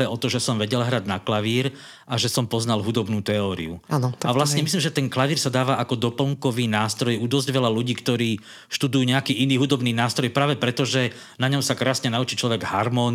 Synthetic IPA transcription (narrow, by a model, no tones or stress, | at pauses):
ɛɔt̪ɔʒɛsɔmʋɛɟɛlɦɾad̪naklaʋiːɾ | ʔaʒɛsɔmpɔznalɦud̪ɔbnuːt̪ɛɔːɾḭṵanɔt̪aʋlasɲɛmis̬liːmʒɛt̪ɛnklaʋiːɾsad̪aːʋaʔakɔd̪ɔpl̩ŋkɔʋiːnaːst̪ɾɔjud̪ɔzɟʋɛʎaluɟiːkt̪ɔɾiː | ʃt̪ud̪ujuːɲɛakiːʔiniːɦud̪ɔbniːnaːst̪ɾɔjpɾaːʋɛpɾɛt̪ɔʒɛ | naɲɔmsakɾaːsɲɛnaut͡ʃit͡ʃlɔʋɛɡɦaɾmɔːn